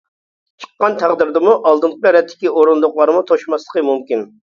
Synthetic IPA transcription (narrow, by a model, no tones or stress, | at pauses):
t͡ʃʰə̥qːɑnt̪ʰæʁd̪ɪɾd̪ɪmuʔɑlˠd̪ɨɴqəɾɛt̪ʰːɪ̥kʲioɾund̪ʊqlˠɑɾmut̪ʰoʃmɑslˠə̥qəmumkʲin